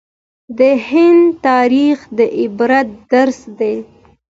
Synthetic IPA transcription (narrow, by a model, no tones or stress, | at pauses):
d̪əhɪnd̪t̪ɑɾixd̪əʔɪbɾat̪̚d̪aɾsd̪ej